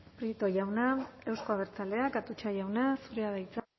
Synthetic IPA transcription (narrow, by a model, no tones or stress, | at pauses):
pɾit̪o̞ʝawnae̞wsko̞aβeɾt͡sale̞akat̪ut͡ʃaʝawnasuɾeaðajt͡s